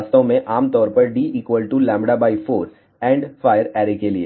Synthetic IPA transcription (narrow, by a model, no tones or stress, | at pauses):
st̪õmẽʔaːmt̪ɔːɾpɐɾɖiːʔiːkʋəlʈulɛ̃ːmbɽabaːifoːɾs | ɛ̃ːɳɖfaːɪjəɾɛːɾekelie